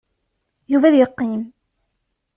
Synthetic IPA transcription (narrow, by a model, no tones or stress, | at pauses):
juvæðjəqːim